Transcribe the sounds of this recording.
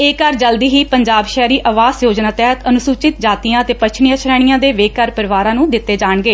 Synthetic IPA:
eːkəɾd͡ʒəld̪iːɦiːpəɲd͡ʒaːbʃɛːɾiːʔəʋaːzjoːd͡ʒnãːt̪ɛɦət̪ənʊsuːt͡ʃɪt̪d͡ʒaːt̪ijãːət̪eːpəʃʰnɪjãːt͡ʃʰɾɛːɽ̃ijãːd̪eːʋeːkəɾpəɾɪʋaːɾãːnũːd̪ɪt̪ːeːd͡ʒaːɳɡeː

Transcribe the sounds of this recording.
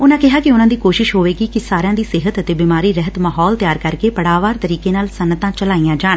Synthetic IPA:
ʊnãːkɪɦaːkɪʊnãːd̪iːkoːʃɪʃɦoːʋeːɡiːkɪsaːɾejãːd̪iːsɪɦət̪ət̪eːbɪmaːɾiːɾɛɦət̪maːɦɔːlt̪jaːɾkəɾkeːpəɽaːʋaːɾt̪əɾiːkeːnaːlsənːət̪ãːt͡ʃəlaːijãːd͡ʒaːɳ

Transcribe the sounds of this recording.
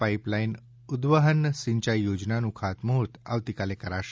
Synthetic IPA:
paiplain | ud̪ʋəɦənəsiɲt͡ɕajjːod͡ʒnanũkʰat̪moɦut̪a̰ʋt̪ikalekəɾaʃ

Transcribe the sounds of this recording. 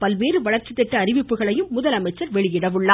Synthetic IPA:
pɐlʋeːrɯʋɐɭɐɾt͡ʃːɪt̪ːɛʈːɐːɾɪʋɪpːɯɣɐɭɐjɯmːʊðɐlɐmɐɪt͡ʃːɐɾʋɛɭɪjɪɽɐʋɯɭːa

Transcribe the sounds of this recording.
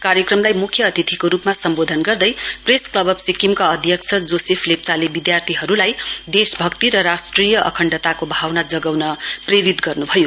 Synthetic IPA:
kaɾjʌkrʌmlajmukʰjʌːt̪it̪ʰikoɾupmasʌmbod̪ʱʌnɡʌrd̪ʌjpresklʌbʌbsikimkaʌd̪ʱjʌkt͡sʰʌd͡zosepʰlep̚t͡salebid̪jart̪ʰiɦʌɾulajd̪esbʱʌkt̪iɾʌɾasʈrijʌʔʌ̰kʰʌɳɖʌt̪akobʱawnad͡zʌɡawnʌpreɾit̪ɡʌrnubʱʌjo

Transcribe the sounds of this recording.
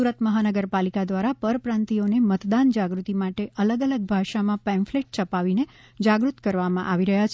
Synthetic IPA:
uɾət̪məɦanəɡəɾpalikad̪ʋaɾapəɾpɾãnt̪ionemət̪d̪and͡ʒaɡɾut̪imaʈeʔələɡələɡ̚bʱaʃamãpɛ̃nfleʈ̚t͡ʃəpaʋine | d͡ʒaɡɾut̪kəɾʋamãʔaʋiɾəɦjat͡ʃʰ

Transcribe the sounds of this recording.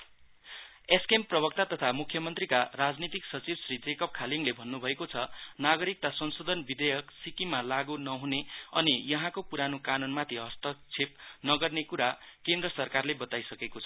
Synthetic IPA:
eskemprʌbʌk̚t̪at̪ʌt̪ʰamukʰjʌmʌnt̪rikarad͡znit̪iksʌt͡sibsrid͡zekʌp̚kʰaliŋlebʱʌnːubʱʌekot͡sʰʌnaɡʌɾik̚t̪asʌnsod̪ʱʌnbid̪ʌjʌksikimalaɡunʌɦuneʌnijʌɦãkopuɾanokanunmat̪ʰiɦʌst̪ʌk̚t͡sʰep̚nʌɡʌrnekuɾakẽnd̪rʌsʌrkarlebʌt̪ajsʌkekot͡sʰʌ

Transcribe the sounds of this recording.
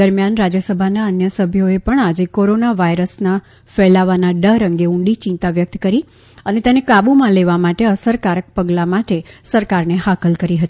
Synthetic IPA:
əɾmjanɾad͡ʒjəsəbʱanaənjəsəbʱjoepəɳad͡ʒekoɾonaʋajɾəsna | fɛlaʋanaɖəɾəŋɡeũɳɖit͡ʃɪ̃nt̪aʋjək̚t̪kəɾi | ənet̪enekabumãleʋamaʈeəsəɾkaɾək̚pəɡlamaʈesəɾkaɾneɦakəlkəɾiɦət̪ii

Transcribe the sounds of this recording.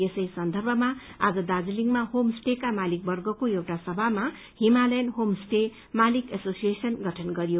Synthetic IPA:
esʌjsʌnd̪ʱʌrbʱʌmaa̰d͡zʌd̪ad͡zʌliŋɡmahomsʈekamalik̚bʌrɡʌkoewʈasʌbʱama | himalajnɦomsʈe | malikesosijesʌnɡʱʌʈʰʌnɡʌɾijo

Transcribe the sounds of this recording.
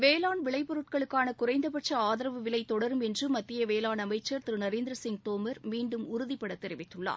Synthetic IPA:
ʋeːlaːnʋɪɭɐɪpɔɾɯʈ̚kɐɭɯkːaːnɐkʊɾɐɪnd̪ɐpɐʈ̚t͡ʃɐaːðɐɾɐʋɯʋɪlɐɪt̪ːɔɽɐɾɯmɛndrɯmɐt̪ːɪjɐʋeːlaːnɐmɐɪt͡ʃːɐɾt̪ɪɾɯnɐɾeːnd̪ɪɾɐsɪŋɡt̪oːmɐɾmiːɳɖɯmʊɾʊðɪpːɐɽɐt̪ːɛɾɪʋɪt̪ːɯɭːa̰ː

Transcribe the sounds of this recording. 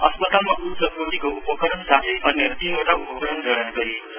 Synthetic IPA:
ʌ̰spʌt̪almaʔut̪sʌkuʈ̪ikoupʌkʌɾʌnsat̪ʰeʔʌnːeɾʌt̪inoʈaupʌkɾʌnɡʱʌɽʌnɡʌɾi

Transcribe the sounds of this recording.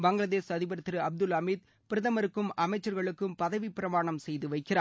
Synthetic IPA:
bɐŋɡɭɐðeːsɐðɪbɐɾɐt̪ːɪɾɯɐb̚d̪ɯlɐmiːd̪̚ | pɪɾɯðɐmɐɾɯkːɯmʔɐmɐɪt͡ʃːɐɾɣɐɭɯkːɯmpɐðɐʋipɪɾɐmaːɳɐmsɛjðɯʋɐɪkːɪraː

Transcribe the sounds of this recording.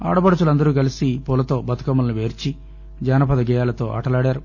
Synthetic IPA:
a̰ːɽɐbɐɽɐt͡ʃulɐnd̪ɐɾuːkɐlisipuːlɐt̪o̞ːbɐt̪u̥kɐmɐlnuʋeːɾt͡ʃi | d͡ʒaːnɐpɐd̪ɐɡɛːjaːlɐt̪o̞ːʔa̰ːʈɐlaːɽaːɾu

